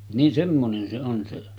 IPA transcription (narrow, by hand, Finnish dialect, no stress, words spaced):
nin semːonen se on se